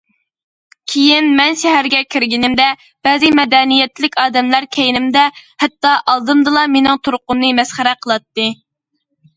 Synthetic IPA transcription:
kʲʰejinmɛnʃɛɦæɾɡʲɛkʲʰiɾɡʲinɪmd̪ɛ | b̥ɛzɨmɛd̪ɛnijɛt̪lɪkʲɑːd̪ɛmlæɾkʲʰɛjinɪmd̪ɛhɛt̪ːɑʔɑlˠd̪ɨmd̪ɨlˠɑmenɪŋt̪ʰoɾqʊnːɨmɛsχæɾɛqʰəlˠɑt̪ːɨ

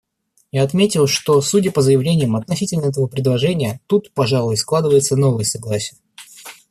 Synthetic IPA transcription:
jaɐt̪mʲetʲɪlˠʂt̪o̞sudʲəpəzəjɪvlʲenʲɪjəmɐt̪nɐsʲitʲɪlʲnəɛt̪əvəpɾʲɪd̪lˠɐʐɛnʲɪjət̪ut̪pɐʐalˠʊjsklˠad̪ɨvəjɪt̪səno̞vəjəsɐɡlˠasʲɪjə

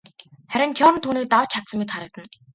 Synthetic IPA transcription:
χæɾʲɪ̆nt̪ʰjɔɾə̆nt̪ʰuːniːk̚t̪awt͡ɕʰːat̪sə̆mʲːit̪χaɾə̆k̚t̪ə̆n

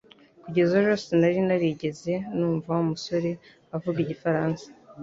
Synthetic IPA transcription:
kuɟe̞zoʒo̞ːse̞naɾinaɾiɟe̞ze̞nuːɱvawumuso̞ɾe̞ | avuɡiɟifaɾaːnsḁ

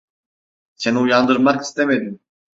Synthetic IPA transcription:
se̞niujand̪ɯɾmaki̥st̪emed̪im

